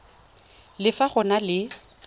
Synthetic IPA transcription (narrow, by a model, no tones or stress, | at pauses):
lɪfaχʊnalɪ